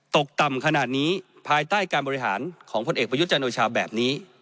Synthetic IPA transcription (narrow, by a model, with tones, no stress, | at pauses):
t̪o˨˩k̚t̪a˨˩mkʰa˧naː˨˩t̪̚niː˦˥ | pʰaː˧jt̪aː˥˩jkaː˧nbɔː˧i˧˥ɦa̰ː˩˦nkʰɔː˩˦ŋpʰo˧nʔeː˨˩k̚pɾa˧˦u˦˥t̪̚t͡ɕa˧nʔoː˧t͡ɕʰaː˧bɛː˨˩p̚niː˦˥